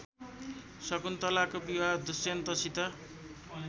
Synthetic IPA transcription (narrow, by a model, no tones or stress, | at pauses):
sʌkunt̪ʌlakobiwad̪usent̪ʌsit̪ʌ